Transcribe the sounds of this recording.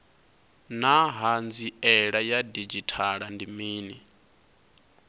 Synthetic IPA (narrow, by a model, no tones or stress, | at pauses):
naɦand͡ziɛɺajadid͡ʒitʰaɺandimiːni